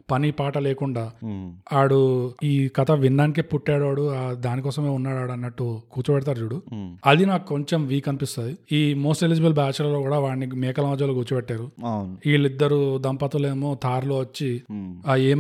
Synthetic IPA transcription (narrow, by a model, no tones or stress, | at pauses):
pɐnipaːʈɐleːkuɳɖaːaːɽuiːkɐt̪ʰɐʋinɖaːnik̬eːpuʈːaːɽaːɽuad̪aːnikɔːsɐme̞ːunːaːɽaːɽɐnːɐʈːukuːt͡ʃɐpɛʈɐt̪̬aːɾd͡ʒuːɽuɐd̪inaːkuko̞ɲt͡ʃe̞mʋiːkɐnipist̪aːjiiːmoːsʈelid͡ʒɐbɐlbaːt͡ʃɐlɐloːkuːɽaːʋaːɳːimɛːkɐlɐmɐd͡ʒɐloːɡuːt͡ʃuɐbɛʈːaːɾuwniːɭːid̪ːɐɾud̪ɐmpɐt̪uleːmo̞ːt̪ʰaːɾloːʋɐt͡ʃːi | eːm